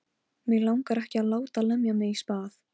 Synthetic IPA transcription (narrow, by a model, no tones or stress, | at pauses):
mɪɣlawŋkaɾɛhcɪaðlaːwt̪alœmjamɪispaːθ